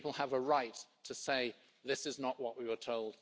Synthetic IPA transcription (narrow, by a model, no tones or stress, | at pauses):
pl̩ˠəvəɹaɪtʰəseɪ | ðɪsɨznəʔwʌʔwiwə˞tʰoʊlˠd̥